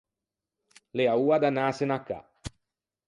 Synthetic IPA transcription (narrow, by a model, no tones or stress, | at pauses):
leauːad̪anaːsenakːa̰